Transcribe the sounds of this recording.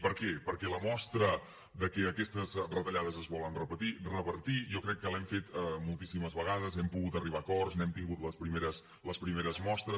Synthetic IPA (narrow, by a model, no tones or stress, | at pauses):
pəɾkɛpəɾkɛləmɔst̪ɾə | d̪əkɛəkɛst̪əzrət̪əʎaðəzəzβɔlənrəpət̪irəβəɾt̪iʒɔkɾɛkːəlɛmfet̪mulˠt̪isiməzβəɣað̞əzɛmpuɣut̪əriβ̞akɔrsnɛmt̪iŋɡut̪ləspɾimeɾəs | ləspɾimeɾəzmɔst̪ɾə